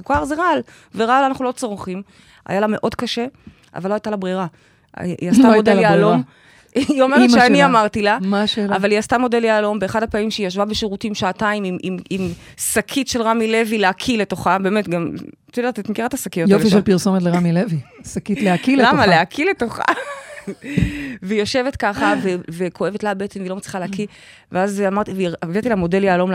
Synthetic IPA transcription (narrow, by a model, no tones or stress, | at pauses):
ukaaʁzeʁal | veʁalanaχnulo̞t͡soʁχim | a̰jalame̞ʔo̞dkaʃe̞ | ʔa̰valoajt̪alabʁiʁa | ast̪amod̪eljaːlo̞m | io̞meetʃeaniamaʁtilamaʃeːlavalijast̪amo̞de̞ljaːlo̞mbe̞eχadhapamimʃeijaʃvabeʃeʁutimʃaataimimimimsakʰitʃelʁamile̞vileakʰile̞to̞χabe̞ːmetɡamt̪odatet̪mekiʁat̪asakijojofiʃelpiʁsomet̬leʁamilevisakit̪leakilelamaaleakʰile̞to̞χa̰ | veijo̞ʃe̞ve̞tkaχavevekʰo̞e̞vetlabeetsemvilo̞matt͡slʁi̥χaleaki | veazamaʁt̪iveavit̪ilamo̞de̞ljealo̞ml